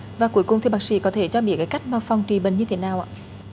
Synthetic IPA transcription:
vaː˨˩ku˧˩əjkʊ˨˩ŋ͡mt̪ʰi˨˩ɓaː˧˩k̚sḭ˧˥kɔ˨˦t̪ʰe˧˩t͡ɕɔ˧ɓḭ˧˩əkaː˨˦jka˦˥jk̟̚maː˧fɔ˧wŋ͡mt͡ɕi˧˨˩ɓe˨˩nɲɨ˧t̪ʰe˨˦naː˨˩wʔa̰ː˧˨

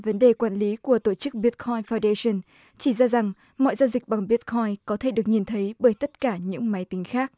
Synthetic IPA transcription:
və˨˦nɗe˨˩kwaː˧˩nli˨˦ku˧˩ət̪o˧˩t͡ɕɨ˦˥k̚ɓi˦˥t̚kʰɔ˧jnfaː˧wnda˧sə˧n | t͡ɕi˧˩zaː˧za˨˩ŋ | mɔ̰˧˨jza˧wzï˨˩k̟̚ɓa˨˩ŋɓi˦˥t̚kʰɔ˧jnkɔ˨˦t̪ʰe˧˩˨ɗɨ˨˩ək̚ɲi˨˩nt̪ʰə˨˦jɓəː˧˩jt̪ə˦˥t̚kaː˧˩ɲɨ̰˧˥ŋma˨˦jt̪ï˨˦ŋ̟xaː˦˥k̚

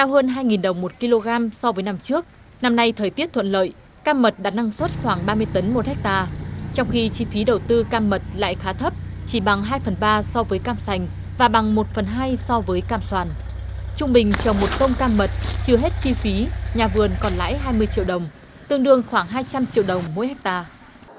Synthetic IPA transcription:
t̪aː˧wɦəː˧nɦaː˧jŋi˨˩nɗə˨˩wŋ͡mmo˨˩t̚ki˧lo˧ɣaː˧msɔ˧vəː˨˦jna˧mt͡ɕɨ˦˥ək̚ | na˧mna˧jt̪ʰəː˨˩jt̪i˦˥əp̚t̪ʰwə̰˧˨nlə̰ː˧˨j | kaː˧mːə˨˩t̚ɗa̰ː˨˥na˧ŋswə˦˥t̚xwaː˧˩ŋɓaː˧mɨ˧əjt̪ə˨˦nmo˨˩t̚hɛ˦˥k̚t̪aː˧˩t͡ɕɔ˧wŋ͡mxi˧t͡ɕi˧fi˨˦ɗə˨˩wt̪ɨ˧kaː˧mːə˨˩t̚la̰ː˧˨jxaː˨˦t̪ʰə˦˥p̚ | t͡ɕi˧˩ɓa˨˩ŋɦaː˧jfə˨˩nɓaː˧sɔ˧vəː˨˦jkaː˧msa˨˩jŋ̟ | vaː˨˩ɓa˨˩ŋmo˨˩t̚fə˨˩nɦaː˧jsɔ˧vəː˨˦jkaː˧˩mswaː˨˩n | t͡ɕʊ˧ŋ͡mɓï˨˩ŋ̟t͡ɕə˨˩wŋ͡mmo˨˩t̚t̪ə˧wŋ͡mkaː˧mːə˨˩t̚t͡ɕɨ˧əɦe˦˥t̚t͡ɕi˧fi˨˦ɲaː˨˩vɨ˨˩ənkɔ˨˩nla̰ː˧˥jɦaː˧jmɨ˧əjt͡ɕḭ˧˨əwɗə˨˩wŋ͡m | t̪ɨ˧əŋɗɨ˧əŋxwaː˧˩ŋɦaː˧jt͡ɕa˧mt͡ɕḭ˧əwɗə˨˩wŋ͡mmo̰˧˥jhɛ˦˥k̟̚t̪aː˧

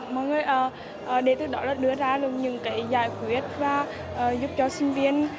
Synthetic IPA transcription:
mɔ̰˧˨jŋɨː˨˩əjʔəː˨˩ | ʔəː˨˩ɗe˨˧˩t̪ɨ˨˦k̚ɗɔ˨˦laː˨˩ɗɨ˧əzaː˧lɨ˧˩əŋɲɨ̰˧˥ŋkaː˨˦jzaː˧˩jkwi˨˦ət̚vaː˨˩ | ʔəː˨˩zu˦˥p̚t͡ɕɔ˧sï˧ŋ̟vi˧ən

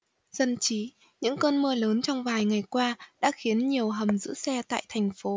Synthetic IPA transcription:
z̥ə˧nt͡ɕi˨˦ | ɲɨ̰˧˥ŋkəː˧nmɨ˧ələː˨˦nt͡ɕɔ˧wŋ͡mvaː˨˩jŋa˨˩jkwaː˧ɗa̰ː˧˥xi˨˦ənɲi˨˩əwɦə˨˩mzɨ̰˧˥sɛ˧t̪a̰ː˧˨jt̪ʰɛ˨˩jŋ̟fo˨˦

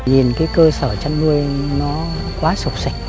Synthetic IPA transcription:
ɲi˨˩nkaː˨˦jkəː˧səː˧˩t͡ɕa˧mnu˧əjnɔ˨˦ | kwaː˨˦sʊ˨˩k͡p̚sa˧˩k̟̚

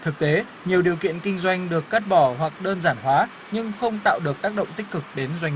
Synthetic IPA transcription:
t̪ʰɨ˨˩k̚t̪e˨˦ | ɲi˨˩əwɗi˨˩əwkḭ˧˨ənkï˧ŋ̟zwa˧jŋ̟ɗɨ˨˩əkːa˦˥t̚ɓɔ˧˩wa˨˩k̚ɗəː˧nzaː˧˩nɦwaː˨˦ | ɲɨ˧ŋxə˧wŋ͡mt̪a̰ː˧˨wɗɨ˨˩ək̚t̪aː˦˥k̚ɗə̰˧˨ŋ͡mt̪ï˦˥k̟̚kɨ˨˩k̚ɗe˨˦nzwa˧jŋ˩

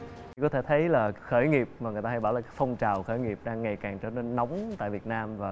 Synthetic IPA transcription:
t̪ʰi˨˩kɔ˨˦t̪ʰe˧˩t̪ʰə˨˦jlaː˨˩xəː˧˩jŋi˨˩əp̚maː˨˩ŋɨ˨˩ət̪aː˧jɓaː˧˩wlaː˨˩kːkfɔ˧wŋ͡mt͡ɕaː˨˩wxəː˧˩jŋi˨˩əp̚ɗaː˧ŋːa˨˩jkaː˨˩ŋt͡ɕɔː˧ne˧nːɔ˨˦wŋ͡mt̪a̰ː˧˨vi˨˩ət̚naː˧mvaː˨˩

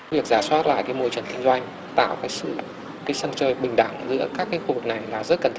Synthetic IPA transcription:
vi˨˩ək̚z̥aː˧˩swaː˦˥t̚la̰ː˧˨jkaː˨˦jmo˧jt͡ɕə˨˩nk̪ï˧ŋ̟zwa˧jŋ̟ | t̪a̰ː˧˨wkaː˨˦jsɨ̰˧˨ | kaː˨˦jsə˧nt͡ɕəː˧˩jɓï˨˩ŋ̟ɗa˧˩ŋzɨ̰˧˥əkaː˦˥kːaː˨˦jxu˧vɨ˨˩k̚na˨˩jlaː˨˩zə˦˥t̚kə˨˩nt̪ʰ

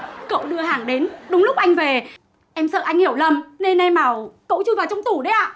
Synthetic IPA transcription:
kə̰˧˨wɗɨ˧əhaː˨˩ŋɗe˨˦nɗʊ˨˦ŋ͡mlʊ˦˥k͡p̚ʔa˧jŋ̟ve˨˩ | ʔɛ˧msə̰ː˧˨ʔa˧jŋ̟hi˧˩əwlə˧˩mne˧nʔɛ˧mːaː˨˩wkə̰˧˥wt͡ɕu˧vaː˨˩wt͡ɕɔ˧wŋ͡mt̪u˧˩ɗə˨˧˦jʔaː˧˨

